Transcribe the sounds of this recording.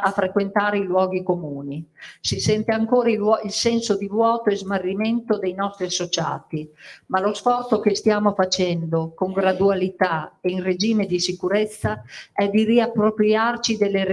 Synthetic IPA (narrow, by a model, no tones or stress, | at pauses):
afɾekwent̪aːɾeilwɔːɡikomuːnisisɛnt̪eaŋkoːɾaiilsɛnsod̪ivwɔːt̪oezmarːimɛnt̪od̪ejnɔst̪ɾiasot͡ʃa̰ːt̪imalosfɔrt̪sokest̪jaːmofat͡ʃɛnd̪okoŋɡɾad̪ualit̪aeiŋred͡ʒiːmed̪isikuɾɛt̪sːaɛd̪iriapːɾopɾiart͡ʃid̪elːe